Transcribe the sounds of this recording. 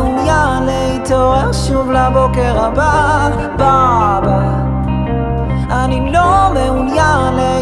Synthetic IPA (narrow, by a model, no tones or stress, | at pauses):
unjaleit̪oʁɛʃuvlabokɛʁaba | baba | anilomɛunjale